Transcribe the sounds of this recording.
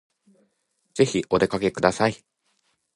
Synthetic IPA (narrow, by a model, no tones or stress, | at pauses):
d͡z̥e̞çiʔo̞d̪e̞kake̞kɯ̟d̪asai